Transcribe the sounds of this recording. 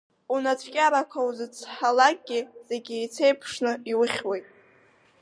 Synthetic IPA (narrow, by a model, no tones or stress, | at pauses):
unat͡sʷʰkʲʼaɾakʷʰawzɨt͡sʰħalak̚ʼɡʲɪz̥eɡʲɪit͡sʰejpʰʂnɨiwʊχʲwejtʼ